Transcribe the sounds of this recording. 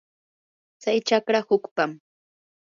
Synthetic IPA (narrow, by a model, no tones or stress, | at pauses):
t͡sajt͡ʃakɾahʊkpam